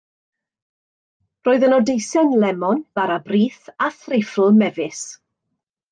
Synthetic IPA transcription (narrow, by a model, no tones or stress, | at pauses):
roːɨðənɔdejsɛnlɛmɔnv̥aɾabriːθaθrɪfl̩ˠmɛvɪs